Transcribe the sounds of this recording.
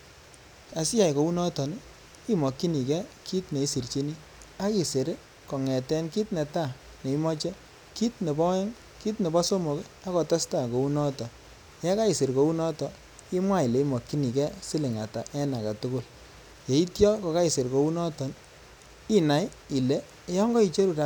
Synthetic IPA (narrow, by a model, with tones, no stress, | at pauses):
a˨sja˨jko˨u˦nɔ˦tɔ˨n | i˦mɔ˨kːi˦ni˨kɛ˦ki˦tne˨i˦si˨rt͡ʃe˦ni˦ | a˦ki˨se˨ɾ | kɔ˨ŋɛ˨tɛ˦nki˦tnɛ˨ta˦˨ | ne˨i˦mɔ˦t͡ʃɛ˦ | ki˦tne˨bɔ˦ɛ˦ŋ | ki˦tne˨bɔ˦so˦mo˨k | a˦kɔ˨ta˦sta˦˨ko˨u˦nɔ˦tɔ˨ | ja˦ka˦i˨se˨ɾko˨˦u˦nɔ˦tɔ˨ | i˦mwa˦i˨le˨˦i˦mɔ˨kːi˦ni˨kɛ˦si˦lɪ˨ŋa˨ta˨ʔɛ˦na˨ka˨tʊ˦kʊ˦l | je˨i˦tjɔ˦kɔ˨ka˦i˨se˨ɾko˨u˦nɔ˦tɔ˨n | i˦na˨j | i˨le˦ | jɔ˦ŋɡɔ˦i˨t͡ʃe˦ɾu˨ta˧